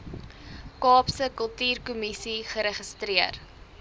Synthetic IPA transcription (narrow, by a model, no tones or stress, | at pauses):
kɑːpsəkəlˠtyːrkumisiχəɾəχəstɾiər